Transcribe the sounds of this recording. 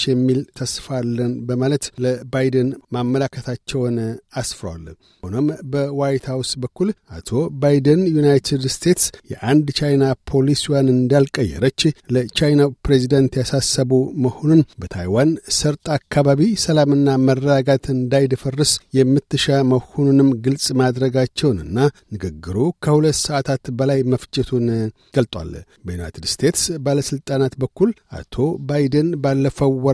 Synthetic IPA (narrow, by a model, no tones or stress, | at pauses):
t͡ʃːjɛmːilt̪ʰəsfalːənbəmalət̪ləbajd̪ənmamːəlakʰːət̪ʰat͡ʃːɛwnasfɨɾwa̰l | honombəwajt̪ʰhawsbəkːulʔa̰t̪ʰo̞bajd̪ənjunajt̪ʰid̪st̪ʰe̞t̪sjɛ̰ʔand̪t͡ʃajnapʰo̞liswjanɨnd̪alkʼəjːɛ̰ɾət͡ʃːlət͡ʃajnapɾezid̪ənt̪jasasːəβuməho̞nunbət̪ʰa̰jwansɨɾt̪ʼakːaβaβisəlamɨnːamərːəɡaɡat̪ʰɨnd̪ajd̪ɨfərːɨsjɛmːɨt̪ːɨʃaməhonunɨmɡɨlsʼmad̪ɾəɡat͡ʃːɛwnɨ̰nːanɨɡɨɡːɨɾukʰəhulət̪ːsəat̪ʰat̪bəlajməft͡ʃʼɛt̪ʰun | ɡ̥əlt̪ʼwa̰l | bəjuna̰jt̪ʰɨd̪st̪ʰe̞t̪sbaləsɨlt̪ʼanat̪bəkːulʔa̰t̪ʰo̞bajd̪ənbalːəfəwːɔ